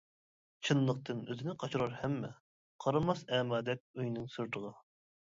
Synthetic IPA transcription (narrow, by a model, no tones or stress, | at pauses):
t͡ʃʰɨnlˠəq̚t̪ɨnøzɪnɪqʰɑt͡ʃʰuɾɑɾhɛmːɛ̰ | qʰɑɾɑmɑsɛːmɑːd̪ɛk̚ʲyjnɨŋsyɾt̪ʰəʁɑ